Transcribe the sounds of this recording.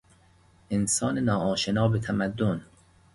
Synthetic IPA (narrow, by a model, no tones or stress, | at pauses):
ʔensɒːnenɒːɒːʃenɒːbet̪ʰæmæd̪ːon